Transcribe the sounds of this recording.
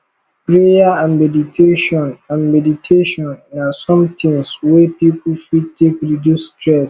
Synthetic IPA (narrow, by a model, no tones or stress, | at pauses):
pɾejaãnmɛditʰeʃɔ̃nãnmɛditʰeʃɔ̃nːãsɔ̃mtʰĩŋswɛpipʰufitʰekɾidjusːtʰɾɛs